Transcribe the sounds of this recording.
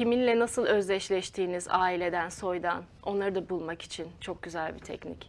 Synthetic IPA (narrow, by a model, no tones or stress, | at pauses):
ciminlʲɛnasɯlˠø̞zlʲɛʃlʲɛʃt̪ʰiːniza̰ːilʲe̞d̪ænso̞jd̪an | o̞̰nlˠaɾɯd̪abulˠmaki̥t͡ʃʰint͡ʃʰo̞k̚ɟyzælʲbit̪ʰɛ̰cnḭc